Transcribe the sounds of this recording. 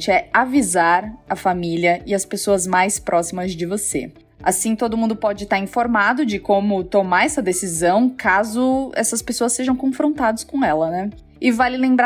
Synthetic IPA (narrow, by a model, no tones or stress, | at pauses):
t͡ʃɪɛavizaɾɐfamiliɐɪɐspesoɐzmajspɾʔɔsimɐzd͡ʒɪvosḛ | a̰sĩt̪od̪ʊmũd̪ʊpɔd͡ʒɪt̪aɾĩfoɾmad̪ʊd͡ʒɪkõmʊt̪omaɾɛsɐd̪esizɐ̃w̃kazʊɛ̰sɐspesoɐsːeʒɐ̃w̃kõfɾõnt̪ad̪ɐskõɛlɐnɛ | ɪvalɪlẽmbɾa